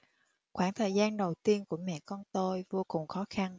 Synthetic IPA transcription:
xwaː˧˩ŋt̪ʰəː˨˩jzaː˧nɗə˨˩wt̪i˧ənku˧˩əmɛ̰˧˨kɔ˧nt̪o˧jvo˧kʊ˨˩ŋ͡mxɔ˨˦xa˧n

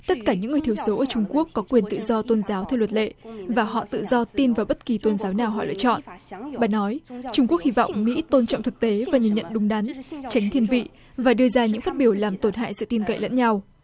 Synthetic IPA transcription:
t̪ə˦˥t̚kaː˧˩ɲɨ̰˧˥ŋɨ˨˩əjt̪i˨˦əwso˨˦ʔəː˧˩t͡ɕʊ˧ŋ͡mku˦˥əkːɔ˨˦kwi˨˩ənt̪ɨ̰˧˨zɔ˧t̪o˧nzaː˨˦wt̪ʰɛ˧wlwə˨˩t̚lḛ˧˨vaː˨˩ɦɔ̰˧˨t̪ɨ̰˧˨zɔ˧t̪i˧nvaː˨˩wɓə˦˥t̚ki˨˩t̪o˧nzaː˨˦wnaː˨˩wɦɔ̰˧˩jlɨ̰˧˨t͡ɕɔ̰˧˨nʔɓa̰ː˧˩nɔ˨˦jt͡ɕʊ˧ŋ͡mku˦˥ək̚hi˧vɔ̰˧˨wŋ͡mmḭ˧˥t̪o˧nt͡ɕɔ̰˧˨wŋ͡mt̪ɨ˨˩k̚t̪e˨˦vaː˨˩ɲə̰˧˨nɲə̰˧˨nɗʊ˨˦ŋ͡mɗa˨˦nt͡ɕa˨˦jŋ̟t̪ʰi˧ənvḭ˧˨ | vaː˨˩ɗɨ˧əzaː˧ɲɨ̰˧˥ŋfaː˦˥t̚ɓi˧˩əwlaː˨˩mt̪o˧˩nɦa̰ː˧˨jsɨ̰˧˨t̪i˧nkə̰˧˨jlə̰˧˥nɲa˧w

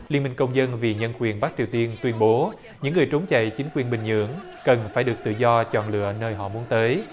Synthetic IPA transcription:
li˧ənmï˨˩ŋ̟kə˧wŋ͡mzə˧nvi˨˩ɲə˧nkwi˨˩ənɓa˦˥k̚t͡ɕi˨˩əwt̪i˧ənt̪wi˧ənɓo˨˦ | ɲɨ̰˧˥ŋːɨ˨˩əjt͡ɕə˨˦ŋ͡mt͡ɕə̰˧˨jt͡ɕï˨˦ŋ̟kwi˨˩ənɓï˨˩ŋ̟ɲɨ̰˧˩əŋ | kə˨˩nfaː˧˩jɗɨ˨˩ək̚t̪ɨ̰˧˨zɔ˧t͡ɕɔ̰˧˨nlɨ̰˧˨ənəː˧jɦɔ̰˧˨mu˨˦ənt̪əː˨˦j

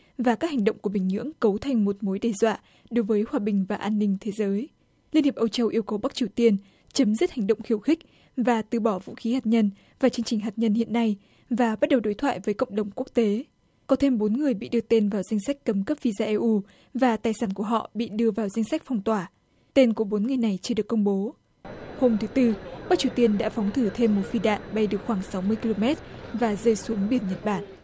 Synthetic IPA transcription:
vaː˨˩kaː˦˥k̚ha˨˩ŋ̟ɗə̰˧˨ŋ͡mku˧˩əɓï˨˩ŋ̟ɲɨ̰˧˥əŋkə˨˦wt̪ʰa˨˩jŋ̟mo˨˩t̚mo˨˦jɗe˧˩zwa̰ː˧˨ | ɗo˨˦jvəː˨˦jhwaː˧˩ɓï˨˩ŋ̟vaː˨˩ʔaː˧nːï˧ŋ̟t̪ʰe˨˦zəː˨˦j | li˧ənhi˨˩əʔə˧wt͡ɕə˧wʔi˧əwkə˨˧˦wɓa˦˥k̚t͡ɕi˨˩əwt̪i˧ən | t͡ɕə˨˦mzi˦˥t̚ha˨˩ŋ̟ɗə̰˧˨ŋ͡mxi˧˩əwxï˦˥k̟̚ | vaː˨˩t̪ɨ˨˩ɓɔ˧˩vṵ˧˥xi˨˦haː˨˩t̚ɲə˧n | vaː˨˩t͡ɕɨ˧əŋt͡ɕï˨˩ŋ̟ɦaː˨˩t̚ɲə˧nhḭ˧˨ənːa˧j | vaː˨˩ɓa˦˥t̚ɗə˨˩wɗo˨˦jt̪ʰwa̰ː˧˨jvəː˨˦jkə̰˧˨ŋ͡mɗə˨˩wŋ͡mku˦˥ək̚t̪e˨˦ | kɔ˨˦t̪ʰe˧mɓo˨˦nŋɨ˨˩əjɓḭ˧˨ɗɨ˧ət̪e˧nvaː˨˩wza˧jŋ̟sa˦˥jk̟̚kə˨˦mkə˦˥p̚vi˧zaː˧ʔɛ˧ʔu˧ | vaː˨˩t̪aː˨˩jsaː˧˩nku˧˩əɦɔ̰˧˨ɓḭ˧˨ɗɨ˧əvaː˨˩wza˧ŋ̟sa˦˥jk̟̚fɔ˧wŋ͡mt̪waː˧˩ | t̪e˧nku˧˩əɓo˨˦nŋɨ˨˩əjna˨˩jt͡ɕɨ˧ɗɨ˨˩əkːə˧ŋ͡mɓo˨˦ | ho˧mt̪ʰɨ˨˦t̪ɨ˧ɓaː˦˥t͡ɕi˨˩wt̪i˧ənɗa̰ː˧˥fɔ˨˦wŋ͡mt̪ʰɨ˧˩t̪ʰe˧mːo˨˩t̚fi˧ɗa̰ː˧˨nɓa˧jɗɨ˨˩ək̚xwaː˧˩ŋsa˨˦wmɨ˧əjki˧lo˧mɛ˦˥t̚vaː˨˩zəː˧jsu˨˦ŋɓi˧˩ənɲə˨˩t̚ɓaː˧˩n

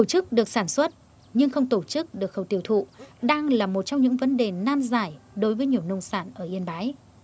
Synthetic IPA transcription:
t̪o˧˩t͡ɕɨ˦˥k̚ɗɨ˨˩ək̚saː˧˩nswə˦˥t̚ | ɲɨ˧ŋxə˧wŋ͡mt̪o˧˩t͡ɕɨ˦˥k̚ɗɨ˨˩ək̚xə˨˩wt̪i˧˩əwt̪ʰṵ˧˨ɗaː˧ŋlaː˨˩mo˨˩t̚t͡ɕɔ˧wŋ͡mɲɨ̰˧˥ŋvə˨˦nɗe˨˩naː˧nzaː˧˩jɗo˨˦jvəː˨˦jɲi˨˩əwnə˧wŋ͡msaː˧˩nʔəː˧˩ʔi˧ənɓaː˨˦j

